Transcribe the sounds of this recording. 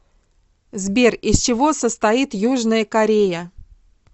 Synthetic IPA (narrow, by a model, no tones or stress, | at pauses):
zbʲerʲɪsʲt͡ɕɪvo̞səst̪ɐit̪juʐnəjəkɐɾʲejə